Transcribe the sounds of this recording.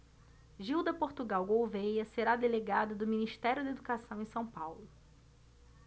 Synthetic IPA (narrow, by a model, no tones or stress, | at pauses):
ʒiwd̪ɐpoɾt̪uɡawɡowvejɐseɾad̪eleɡad̪ɐd̪ʊminiʃt̪ɛɾjʊd̪ɐed̪ukasɐ̃w̃ẽj̃sɐ̃w̃pawlʊ